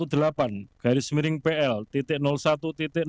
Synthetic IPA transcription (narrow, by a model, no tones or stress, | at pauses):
ud̪̥ə̤lapanɡ̥a̤ɾɪsmiɾɪŋpeʔɛlt̪it̪ɪʔnɔlsat̪ut̪it̪ɪʔ